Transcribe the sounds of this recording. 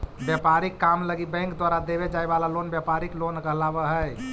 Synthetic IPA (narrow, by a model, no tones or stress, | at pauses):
bjɛpaɾikːamləɡibɛ̃ŋkd̪waɾad̪ebed͡ʒaebalalonbjapaɾiklonkəɦlabəɦəj